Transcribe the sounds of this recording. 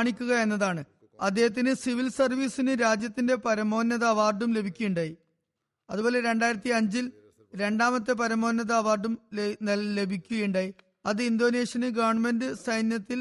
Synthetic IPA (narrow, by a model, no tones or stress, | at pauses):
ɳikʲːuɣɐe̞nːɐðaːɳɨ | ɐd̪ːe̞ːɦɐt̪ːinɨsiʋilsɐrʋiːsinɨɾaːd͡ʑjɐt̪ːinde̞pɐɾɐmo̞ːnːjɐðɐːʋaːrɖumle̞bʱikʲːujuɳɖaːji | ɐðubo̞ːle̞ɾe̞ɳɖaːjiɾɐt̪ːiɐɲd͡ʑil | ɾe̞ɳɖaːmɐt̪ːɨp̬ɐɾɐmo̞ːnjɐðɐɐʋaːrɖumnelle̞bʱikʲːuɣejuɳɖaːji | ɐðɨind̪o̞ːne̞ːʂɐnɨɡɐʋɐrɳme̞ndɨsɐjnjɐt̪ːil